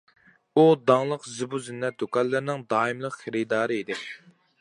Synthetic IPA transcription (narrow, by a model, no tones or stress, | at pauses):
ud̪ɑŋlˠəqzɨbuzynːɛt̪̚d̪okʰɑnlːˠɨɾnɪŋd̪ɑːimlˠəqχeɾɪd̪ɑːɾɨid̪ɪ